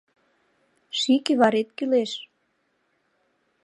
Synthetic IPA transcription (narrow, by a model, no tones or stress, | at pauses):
ʃikeβɑɾet̪̚kyleʃ